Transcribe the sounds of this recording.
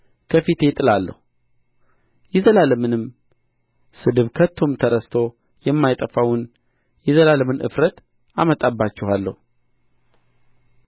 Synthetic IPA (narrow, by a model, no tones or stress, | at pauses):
kʰəfit̪ʰe̞t̪ʼɨlalːə̰hu | jɛzəlaləmɨnɨm | sɨd̪ɨβkʰət̪ʰːo̞mt̪ʰəɾəst̪ʰo̞ | jɛmːajt̪ʼəfawʊn | jɛzəlaləmɨnʔɨ̰fɾət̪ | amət̪ʼabːat͡ʃːɪhalːə̰hu